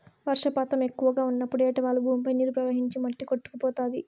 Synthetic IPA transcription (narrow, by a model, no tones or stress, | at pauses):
ʋɐɾʂɐpaːt̪ɐmekːuʋɐɡaːunːɐpːuɽɛːʈɐʋaːɭːubʱuːmpɐjniːlupɾɐʋɐɦiɲt͡ʃimɐʈːikoʈːu̥kupɔːt̪aːd̪i